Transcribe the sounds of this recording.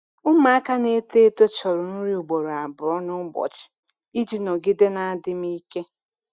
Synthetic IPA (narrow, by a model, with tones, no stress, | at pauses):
ʊ˦ma˦a˦ka˦ne˦te˦to˦t͡ʃɔ˨ɾʊ˨nʊ˦ɾi˦u˨ɡ͡bo˨ɾa˨bʊ˨ɾɔ˦nʊ˦ɡ͡bɔ̰˨t͡ʃɪ̥˨ | i˦d͡ʒi˨nɔ˨ɡɪ˦de˦na˨a˦dɪ˦m˦i˦ke˦